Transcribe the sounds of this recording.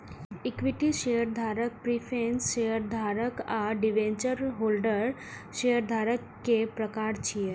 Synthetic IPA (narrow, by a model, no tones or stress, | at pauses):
ikʋiʈiʃejəɾd̪ʱaːɾək̚pɾifʰẽnsʃejəɾd̪ʱaːɾəkaɖiʋẽɲt͡ʃəɾɦolɖəɾ | ʃejəɾd̪ʱaɾəkːepɾəkaɾt͡ʃʰije